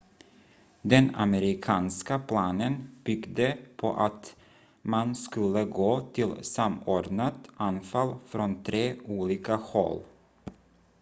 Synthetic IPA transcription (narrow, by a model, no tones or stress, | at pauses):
d̪ɛna̰məɾɪkʰɑːnskapʰlɑːnənb̥ʏɡd̪əpʰɔ̰ʔat̪ | manskɵlːəɡoːt̪ʰɪlsamoːɖnat̪ʔanfalfɾɔnt̪ʰɾeːuːliːkahɔ̰lː